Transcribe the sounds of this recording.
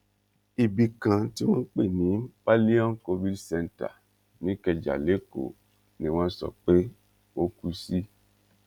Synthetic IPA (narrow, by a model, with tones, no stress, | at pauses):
i˨bi˨˧kã˨ti˦w̃ɔ̃˦k͡pe˦˨nĩ˨˦pa˦li˦ɔ̃˦ko˧vi˦dsɛ˧nta̰˨ | nĩ˨˦kɛ˧d͡ʒa̰˨le˨˦ko̰˨ | nĩ˧˦w̃ɔ̃˦sɔ̰˦˨k͡pe˦ | o˦ku˧si˦